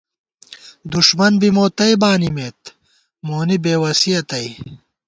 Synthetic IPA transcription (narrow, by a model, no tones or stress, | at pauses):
d̪uʂmɐnbimoːt̪ɐjbaːnimeːt̪ | moːnibeːwɐsijɐt̪ɐj